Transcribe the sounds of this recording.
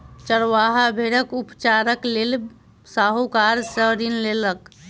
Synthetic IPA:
t͡ʃəɾʋaɦabʱeɽəkupt͡ʃaɾəklel | saɦokaɾsəɾinlelək

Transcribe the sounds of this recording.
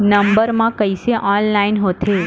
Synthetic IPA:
nəmbəɾmãkəiseʔɔnlainɦot̪ʰe

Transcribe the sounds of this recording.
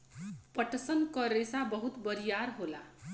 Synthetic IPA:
pʌʈsʌnkʌɾesabʌɦut̪bʌɾijaɾɦola

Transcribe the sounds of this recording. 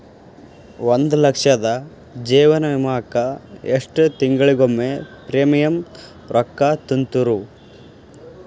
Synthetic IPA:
ʋond̪ulɐkʂɐd̪ɐ | d͡ʒiːʋɐnɐʋimaːkɐeʂʈt̪iŋɡɐɭiɡomːepɾeːmɐjɐm | ɾʔɔkːɐt̪unt̪uɾu

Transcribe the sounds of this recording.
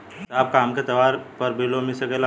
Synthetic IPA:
aːp̚kaːmket̪ɐʋaːɾpɐɾbʱilomɪsəkela

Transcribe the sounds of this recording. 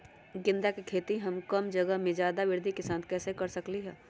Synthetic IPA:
ɡɪ̃nd̪akekʰeːt̪iɦɐmkəmd͡ʒəɡəɦmẽd͡ʒjaːd̪aʋɪɾd̪ʱikɪsaːnkɛːsekɐɾsəkliɦɛː

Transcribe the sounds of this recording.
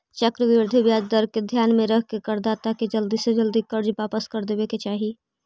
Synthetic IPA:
t͡ʃəkɾəʋɪɾd̪ʱibjaːd͡ʒd̪əɾked̪ʱjaːnmẽɾəɦkekəɾd̪aːt̪aked͡ʒəld̪ised͡ʒəld̪ikəɾd͡ʒʋaːpəskəɾd̪eːbeket͡ʃaːɦi

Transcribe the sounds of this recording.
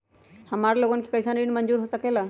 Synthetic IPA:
həmaɾloɡənkʰe̥kəɪsaninmənd͡ʒuːɾɦosəkela

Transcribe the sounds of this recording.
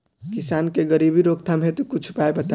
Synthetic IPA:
kisankeɡəɾibiɾoɡ̚t̪ʰamɦet̪ukut͡ʃʰu̥paebət̪a

